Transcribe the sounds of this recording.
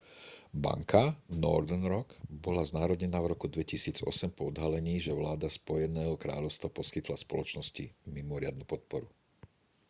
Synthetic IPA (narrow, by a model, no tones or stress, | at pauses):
ba̰ŋkʰanɔ̰ɾd̪ɛnɾɔkbɔlaznaːɾɔɟɲɛnavɾɔkud̪ʋɛcisiːd͡zɔ̰sɛmpɔɔd̪ɦalɛɲiːʒɛʋlaːd̪aspɔjɛnɛːɦɔkɾa̰ːʎɔʊst̪ʋapɔskit̪laspɔ̰lɔt͡ʃnɔscimimɔɾɪad̪nupɔt̪̚pɔɾu